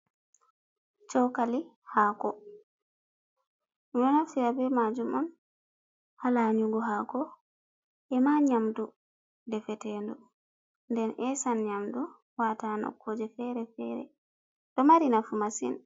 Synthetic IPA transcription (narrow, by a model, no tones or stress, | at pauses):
t͡ʃɔwkali | hakɔ | mjɔnaftiɾabɛmad͡ʒumɔn | halaɲuɡɔɦakɔ | ʔɛmaɲamdu | dɛfɛtɛndɔ | ndɛnʔɛsanɲamdɔ | watanɔ̰kːod͡ʒɛfɛɾɛfɛɾɛ̰ | dɔmaɾinafumasḭn